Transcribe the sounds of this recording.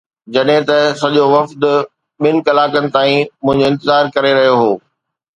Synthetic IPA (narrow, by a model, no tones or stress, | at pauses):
d͡ʑɐɗɦɪ̃t̪ɐsɐʄoʋɐft̪ | ɓɪnɪ̆kɐlaːkənɪ̆t̪aːĩmʊ̃ɦɪ̃ɲd͡ʑoːɪ̃nt̪ɪzaːɾkɐɾeɾɐɦijoɦoː